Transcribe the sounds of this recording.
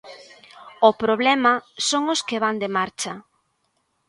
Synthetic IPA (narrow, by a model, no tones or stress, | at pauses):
opɾoβlɛmɐsoŋoskeβand̪emaɾt͡ʃɐ